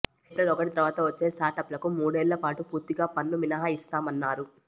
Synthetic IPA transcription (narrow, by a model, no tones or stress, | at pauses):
epɾɐlɔkɐʈit̪ɐɾʋaːt̪ɐʋɐt͡ʃːeːsaːɾʈɐpːlɐkumuːɽeːlːɐpaːʈupuːɾt̪iɡaːpɐnːuʋinɐɦaist̪aːmɐnːaːɾu